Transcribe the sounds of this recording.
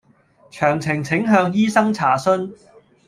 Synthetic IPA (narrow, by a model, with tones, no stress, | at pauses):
t͡ʃʰœː˨˩ŋt͡sʰɪ˨˩ŋt͡sʰɪ˨˥ŋɦœː˧ŋjiː˥sɐ˥ŋt͡sʰaː˨˩sɵ˥n